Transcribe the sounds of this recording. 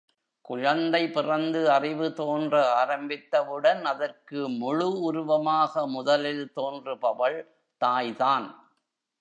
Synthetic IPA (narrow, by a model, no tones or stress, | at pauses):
kʊɻɐnd̪ɐɪpɪrɐnd̪ɯɐrɪʋɯt̪oːndrɐaːɾɐmbɪt̪ːɐʋɯɽɐnɐðɐrkɯmʊɻʊʊɾʊʋɐmaːɣɐmʊðɐlɪlt̪oːndrɯpɐʋɐɭ | t̪aːjðaːn